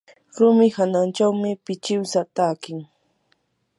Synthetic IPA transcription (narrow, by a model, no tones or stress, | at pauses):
ɾʊmɪhanant͡ʃawmɪpɪt͡ʃɪwsat̪aːkɪŋ